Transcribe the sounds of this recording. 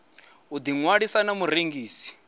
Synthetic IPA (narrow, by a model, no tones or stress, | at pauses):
ud̪iŋwaɺisanamuɾeŋɡiːsi̥